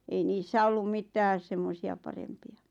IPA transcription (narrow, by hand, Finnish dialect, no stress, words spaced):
ei niːsːæ olːum mitæːs semːosiɑ pɑrempiɑ